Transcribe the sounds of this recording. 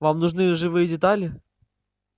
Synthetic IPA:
vamnʊʐnɨʐɨvɨjədʲɪt̪alʲɪ

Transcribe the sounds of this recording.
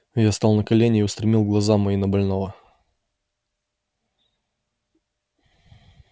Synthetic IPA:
jast̪ɑlˠnəkɐlʲenʲɪːʊst̪ɾʲɪmʲilˠɡlˠɐzamɐinəbɐlʲno̞və

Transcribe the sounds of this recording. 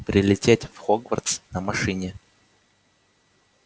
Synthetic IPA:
pɾʲɪlʲɪtʲetʲfxoɡvə̰rt̪snəmɐʂɨnʲɪ

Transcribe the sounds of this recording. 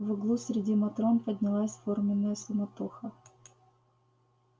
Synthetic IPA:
vɨɡlˠusɾʲɪdʲimɐt̪ɾo̞npədʲnʲɪlˠasʲformʲɪnːəjəsʊmɐt̪uxə

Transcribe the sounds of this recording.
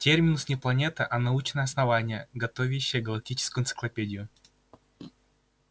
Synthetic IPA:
tʲermʲɪnʊsnʲɪplˠɐnʲe̞t̪əʔɐnɐut͡ɕnəjəɐsnɐvanʲɪjəɡɐt̪o̞vʲɪɕːɪjəɡɐlˠɐk̚tʲit͡ɕɪ̥skʊjʊnt̪sɨ̥klˠɐpʲedʲɪjʊ

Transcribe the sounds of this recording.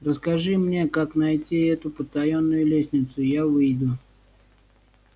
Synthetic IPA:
rəskɐʐɨmnʲe̞kaknɐjtʲiɛt̪ʊpət̪ɐjonːʊjʊlʲesʲnʲɪt̪sʊjavɨjd̪ʊ

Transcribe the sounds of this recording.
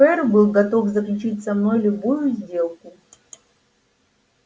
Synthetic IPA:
ɛrbɨlˠɡɐt̪o̞fzəklʲʉt͡ɕitʲsɐmno̞jlʲʊbujʊzʲdʲe̞lˠkʊ

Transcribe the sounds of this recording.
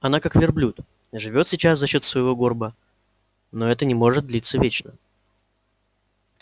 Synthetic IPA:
ɐnakakvʲɪrblʲut̪ | ʐɨvʲo̞t̪sʲɪt͡ɕas̬zɐɕːo̞t̪svəɪvo̞ɡo̞rbə | no̞ɛt̪ənʲɪmo̞ʐɨt̪̚d̪lʲit̪səvʲet͡ɕnə

